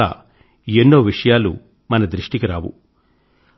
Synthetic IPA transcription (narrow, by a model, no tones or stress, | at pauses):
a̰ː | enːoːʋiʂɐjaːlṵ | mɐnɐd̪ɾiʂʈikiɾaːʋṵ